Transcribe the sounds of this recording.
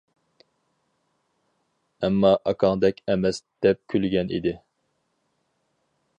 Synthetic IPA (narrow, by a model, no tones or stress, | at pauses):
ɛmːɑʔɑkʰɑŋd̪ɛkʲʰɛmɛsd̪̥ɛp̚kʲʰylɡʲɛnʔḭd̪ɪ